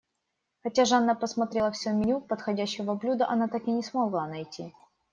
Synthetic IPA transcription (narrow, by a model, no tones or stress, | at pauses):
xɐtʲaʐɨɐnːapəsmɐt̪ɾʲelˠəfsʲɵmʲɪnʲupət̪xɐdʲæɕːɪvəblʲud̪əʔɐnat̪akɪnʲɪsmɐɡlˠanɐjtʲʰːi